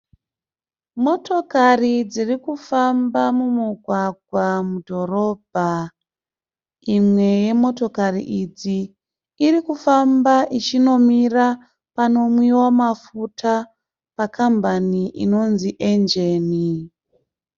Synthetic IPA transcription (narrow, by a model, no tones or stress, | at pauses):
mo̞to̞karid͡zirikufambamumuɡʱwaɡʱwamudʱo̞ɾo̞ːbʱa | imwe̞je̞mo̞to̞karḭʔid͡ziː | rikufambaʔit͡ʃino̞mira | pano̞mwiwamafutʰa | pakambaniʔḭno̞nziʔend͡ʒe̞ːni